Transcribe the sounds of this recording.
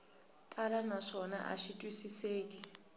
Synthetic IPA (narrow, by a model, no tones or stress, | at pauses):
tʼalanaʂɔna̰ʔa̰ʃitʼwisiseːk̬ʼi